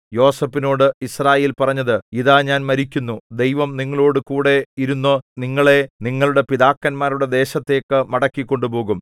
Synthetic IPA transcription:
jo̞ːsɐpːino̞ːɽɨisraːje̞ːlpɐrɐɲːɐðɨiðaːɲaːnmɐɾikʲːunːud̪e̞jʋɐmniŋːɐɭoːɽɨkuːɽe̞iɾunːoniŋːɐɭe̞niŋːɐɭuɽe̞piðaːkːɐnmaːɾuɽe̞d̪e̞ːɕɐt̪ːe̞ːkːɨmɐɽɐkːikʲːo̞ɳɖupo̞ːɣum

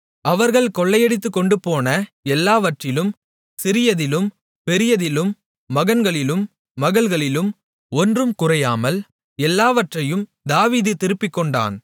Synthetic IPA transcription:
ʔɐʋɐɾɣɐɭkɔɭːɐjɛɽɪt̪ːɯkːɔɳɖɯpoːnɐɛlːaːʋɐʈrɪlɯm | sɪɾɪjɐðɪlɯm | pɛɾɪjɐðɪlɯmː | ɐɣɐnɡɐɭɪlɯmː | ɐɣɐɭɣɐɭɪlɯm | ɔndrɯmkʊrɐjaːmɐl | ɛlːaːʋɐʈrɐjɯm | d̪aːʋiːðɯt̪ɪɾɯpːɪkːɔɳɖa̰ːn

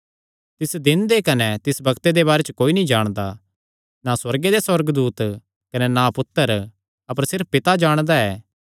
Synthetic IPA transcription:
t̪ɪsd̪ɪnd̪ekɐnɛt̪ɪsbɐkt̪ed̪ebaːɾet͡ʃkoːinɐĩd͡ʒaːɽ̃d̪a | naswɐɾɡed̪eswɐɾɡd̪uːt̪ | kɐnɛnapʊt̪ːəɾ | ɐpəɾsɪɾppːɪt̪ad͡ʒaːɽ̃d̪aɛː

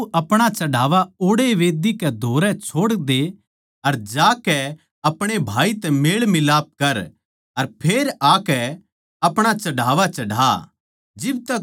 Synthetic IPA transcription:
ʔɐpɽ̃at͡ʃɐɽaːʋaoːɽeʋeːd̪ikɛd̪ʱoːɾɛt͡ʃʰoːɽd̪e | ɐɾd͡ʒaːkɛ | ɐpɽ̃ebʱaːit̪ɛmeːɭmɪlaːp̚kɐɾ | ɐɾpʰeːɾaːkɛ | ɐpɽ̃at͡ʃɐɽaːʋat͡ʃɐɽa̰ | d͡ʒɪb̚t̪ɐk

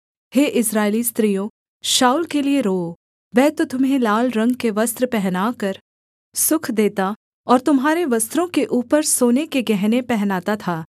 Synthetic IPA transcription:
heːʔɪsɾaːelist̪ɾijõ | ʃaːulkelieɾoː | ʋɛːt̪ot̪ʊmɦelaːlɾɐ̃ŋɡkeʋɐst̪ɾpɛɦnaːkɐɾ | sʊkʰd̪eːt̪a | ɔːɾt̪ʊmɦaːɾeʋɐst̪ɾõkeʔuːpəɾsoːnekeɡɛɦnepɛɦnaːt̪at̪ʰaː

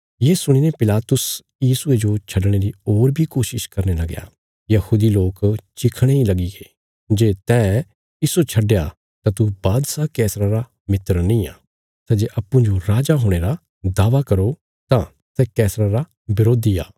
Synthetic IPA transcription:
jeːsʊɽ̃iːnepɪlaːt̪ʊs | jiːsʊed͡ʒot͡ʃʰɐɖɽ̃eɾioːɾbʱikoːʃɪʃkɐɾnelɐɡja̰ː | jɐhuːd̪iloːkt͡ʃɪkʰɽ̃eilɐɡiɡeː | d͡ʒeːt̪ɛ̃ː | ɪsot͡ʃʰɐɖja | t̪ãt̪ubaːd̪sakɛːsɾaɾa | mɪt̪əɾnĩa̰ː | sɛːd͡ʒeːʔɐpːũd͡ʒoɾaːd͡ʒaɦoːɽ̃eɾa | d̪aːʋakɐɾo | t̪ã | sɛkɛːsɾaɾa | bɪɾoːd̪ija̰ː

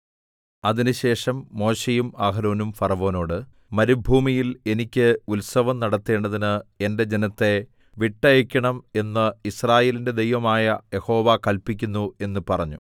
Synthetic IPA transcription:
ɐðinɨɕe̞ːʂɐmːo̞ːɕejumaːɦɐɾo̞ːnumfɐrɐʋo̞ːno̞ːɽɨ | mɐɾubʱuːmijile̞nikʲːɨulsɐʋɐmnɐɽɐt̪ːe̞ːɳɖɐðinɨe̞nde̞d͡ʑe̞nɐt̪ːe̞ | ʋiʈːɐjekʲːɐɳɐme̞nːɐisraːje̞ːlinde̞d̪e̞jʋɐmaːjɐje̞ho̞ːʋakɐlpikʲːunːue̞nːupɐrɐɲːu

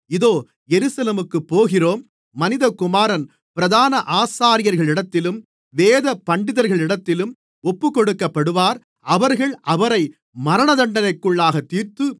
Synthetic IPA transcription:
ɪðoː | jɛɾɯsɐleːmɯkːɯpːoːɣɪroːmː | ɐnɪðɐkʊmaːɾɐn | pɪɾɐðaːnɐʔaːsaːɾɪjɐɾɣɐɭɪɽɐt̪ːɪlɯm | ʋeːðɐpːɐɳɖɪðɐɾɣɐɭɪɽɐt̪ːɪlɯm | ɔpːɯkːɔɽɯkːɐpːɐɽɯʋaːɾ | ɐʋɐɾɣɐɭʔɐʋɐɾɐɪ | mɐɾɐɳɐðɐɳɖɐnɐɪkːɯɭːaːɣɐt̪ːiːɾt̪ɯ

